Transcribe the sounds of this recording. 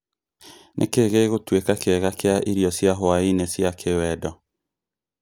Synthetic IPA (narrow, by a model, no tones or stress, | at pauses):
nʔḛkeɣeɣotwekakeɛɣakeaʔiɾjɔsjaɦoainesjakʰewɛdɔ